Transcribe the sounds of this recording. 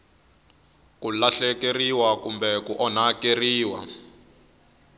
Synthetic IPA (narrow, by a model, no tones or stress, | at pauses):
kulaɬɛkeriwakumbɛkuʔɔnakeriːwa̰